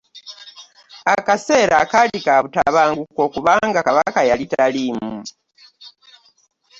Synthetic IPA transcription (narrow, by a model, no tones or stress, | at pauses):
akaseɾakalikaβutaβaːŋɡukokuβaːŋɡakaβakajalitalimu